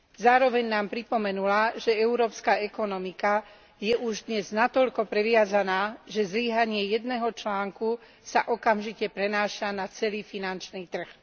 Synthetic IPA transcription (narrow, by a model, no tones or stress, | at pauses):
zaːɾɔʋɛɲnaːmpɾipɔmɛnulaʒɛɛʊɾɔːpskaɛkɔnɔmika | jɛʔuʒd̪ɲɛznat̪ɔʎkɔpɾɛʋɪazanaːʒɛzliːɦaɲɪɛjɛd̪nɛɦɔt͡ʃlaːŋku | sa̰ʔɔkamʒicɛpɾɛnaːʃanat͡sɛliːfinant͡ʃniːt̪r̩x